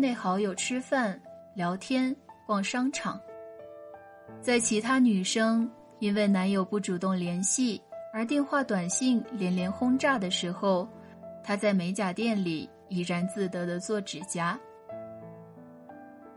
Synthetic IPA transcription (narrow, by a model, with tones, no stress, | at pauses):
ne˥˩ɪxɑ˧˥ʊjo˨˩ʊʈ͡ʂʰɻ̩˥fa˥˩nljɑ˧˥ʊt̪ʰjɛ˥nkwɑ˥˩ŋʂɑ˥ŋʈ͡ʂʰɑ̰˨˩˦ŋ | t͡sa˥˩ɪt͡ɕʰi˧˥t̪ʰa˥ny˨˩ʂɤ˥ŋ | i˥nwe˥˩ɪna˧˥njo˨˩ʊpu˥˩ʈ͡ʂu˨˩t̪ʊ˥˩ŋljɛ˧˥nɕi˥˩ə˞˧˥t̪̬jɛ˥˧nxwa˥˩t̪wa˨˩nɕi˥˩ŋljɛ˧˥nljɛ˧˥nxʊ˥ŋʈ͡ʂa˥˩d̪ə˩ʂɻ̩˧˥xo˥˧ʊ | t̪ʰa˥t͡sa˥˩ɪme˧˥ɪt͡ɕja˨˩t̪jɛ˥˩nli˨˩ | i˨˩ɻa˧˥nt͡sɹ̩˥˩t̪ɤ˧˥d̪ə˧t͡swɔ˥˩ʈ͡ʂɻ̩˨˩t͡ɕja˥